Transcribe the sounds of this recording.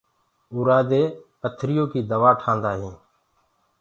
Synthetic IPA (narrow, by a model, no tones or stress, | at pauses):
ʊːɾaːd̪eː | ət̪ʰɾɪjoːkiːd̪əʋaːʈʰãːnd̪aːɦĩː